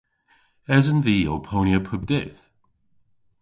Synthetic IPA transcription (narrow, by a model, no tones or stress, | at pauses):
ɛzənviːowpʰoːnjəpʰʊb̚dɪθ